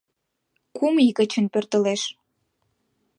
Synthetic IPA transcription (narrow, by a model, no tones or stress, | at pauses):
kumikət͡ɕə̆npørt̪ə̆leʃ